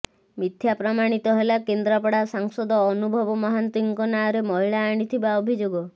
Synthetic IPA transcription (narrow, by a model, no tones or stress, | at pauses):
mit̪ʰjapɾɔmaɽ̃it̪ɔɦelakend̪ɾapɔɽasaŋsɔd̪ɔːnubʱɔbɔmɔɦant̪iŋkɔnaɔɾemɔɦiɭaːɽ̃it̪ʰibaɔbʱid͡ʒoɡɔ